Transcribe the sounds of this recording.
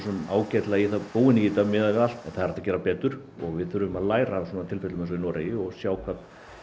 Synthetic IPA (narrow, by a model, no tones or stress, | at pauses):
sɔnaːwcajt̪laiθaðpuːwɪniːt̪amɪðavɪal̥t̪ɛnθaðɾḁɾt̪acɛːɾapɛːt̪ʏɾ̥ | ɔɣvɪðθʏɾʏʏmaðlaːjɾaswɔːnat̪ʰɪlfɪt̪lʏmɛnsɔinɔːɾajɪɔɣsjaːwkʰvat̪n̥